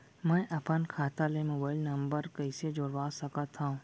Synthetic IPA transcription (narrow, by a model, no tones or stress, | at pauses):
mɛ̃ːʔɐpənkʰaːt̪alemoːbaːɪlnɐ̃mbəɾkəɪsed͡ʒoːɽʋaːsɐkət̪ʰːaũː